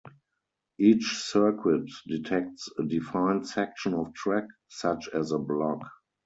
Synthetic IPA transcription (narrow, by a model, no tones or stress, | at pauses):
ʔiːt͡ʃsɜ˞kʰwɪtditʰɛk̚tsədifãɪ̃ntsɛk̚ʃə̃nɔftʰɹɛk | sat͡ʃɛzəblɔk